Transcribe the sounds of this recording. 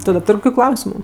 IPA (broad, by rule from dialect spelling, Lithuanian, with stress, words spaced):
ˈtʊ dɐ ˈtʊrʲ ˈkoːkʲʊ ˈklˠɐʊsʲɪmʊ